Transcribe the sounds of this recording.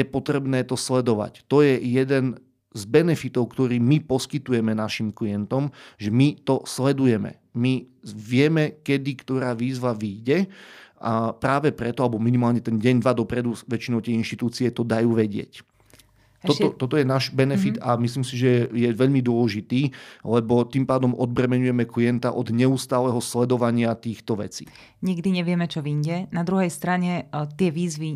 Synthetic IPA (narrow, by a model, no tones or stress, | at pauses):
jɛpɔt̪ɾɛbnɛːt̪ɔslɛd̪ɔʋa̰ct̪ɔjɛjɛd̪ɛn | zbɛnɛfit̪ɔʊkt̪ɔɾiːmipɔskit̪ujɛmɛnaʃimkliɛnt̪ɔmʒɛmit̪ɔslɛd̪ujɛmɛ̰ | miʋɪɛmɛkɛd̪ikt̪ɔɾaːʋiːzʋaʋiːɟɛʔapɾaːʋɛpɾɛt̪ɔalɛbɔminimaːlɲɛt̪ɛnɟɛɲd̪ʋad̪ɔpɾɛd̪uʋɛt͡ʃinɔʊt̪jɛinʃt̪it̪uːt͡siɛt̪ɔd̪ajuːʋɛɟɪɛ̰c̪ | ɔt̪ɔt̪ɔt̪ɔjɛnaːʒbɛnɛfit̪amisliːmsiʒɛjɛʋɛʎmid̪ʊɔlɛʒit̪iːlɛbɔt̪impaːd̪ɔmɔd̪̚bɾɛmɛɲujɛmɛkliɛnt̪aʔɔd̪ɲɛuːst̪aːlɛɦɔslɛd̪ɔʋaɲɪat̪iːxt̪ɔʋɛ̰t͡sḭː | ɲiɡd̪iɲɛʋɪɛmɛt͡ʃɔʋiɲɟɛnad̪ɾuɦɛjst̪ɾaɲɛt̪ɪɛʋiːzʋi